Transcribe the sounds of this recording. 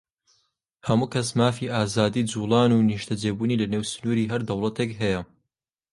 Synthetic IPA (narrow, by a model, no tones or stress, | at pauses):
hɐmuːkʰɐsmaːfiʔaːzaːd̪iːd͡zuːlˠɑːnuːniʃt̪ʰɐd͡ʒeːbuːniːlɐneːwsɨ̥nuːɾiːɦɐɾd̪ɐwlˠɐt̪ʰekɦɛjɐ